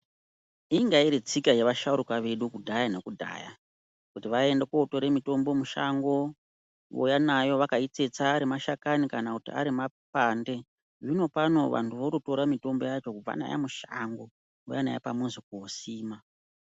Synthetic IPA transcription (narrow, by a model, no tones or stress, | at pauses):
iŋɡaiɾet͡sikajeʋaʃauɾukaʋe̞ɗukudʱajane̞kudʱa̰ja̰ | kutiʋae̞ndekoto̞ɾe̞mito̞mbo̞muʃa̰ŋɡo̞ | ʋo̰janajo̞ʋakait͡se̞t͡saːɾimaʃakanikanakutia̰ɾimapande̞ | ʐino̞pano̞ʋa̰ntuʋoɾuto̞ɾamito̞mbo̞jat͡ʃo̞kub͡va̰na̰ja̰muʃaŋɡo̞ | wo̰jana̰ja̰pamuzik̚uosiːma